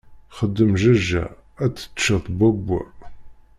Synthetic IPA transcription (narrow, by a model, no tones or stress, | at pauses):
χəd̪ːəmʒæʒːæ̰ | æt͡sːə̥t̪ːʃəθbæɡʷːæ̰